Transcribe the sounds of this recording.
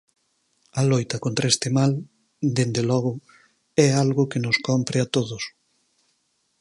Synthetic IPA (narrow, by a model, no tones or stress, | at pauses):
ɐlojt̪ɐkont̪ɾaest̪emal | d̪end̪elɔɣʊ | ɛalɣʊkenʊskɔmpɾɪat̪oðʊs